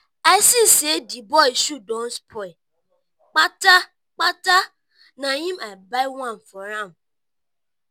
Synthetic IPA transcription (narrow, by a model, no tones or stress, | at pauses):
asisedibɔjsudɔ̃nspʰɔi | k͡pata | k͡pata | nãɲĩmabajwãnfɔɾãm